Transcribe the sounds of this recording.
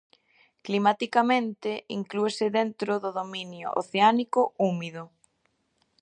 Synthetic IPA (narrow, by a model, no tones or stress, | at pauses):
klimat̪ikamẽnt̪ɪiŋkluesɪðent̪ɾʊðʊðomĩnjʊ̰ʔo̰θeanikʊumiðʊ